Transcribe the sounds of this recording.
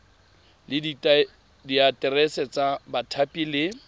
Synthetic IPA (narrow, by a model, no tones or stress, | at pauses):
lɪ | diatʼɪrɛsɛt͡sabatʰapʼilɪ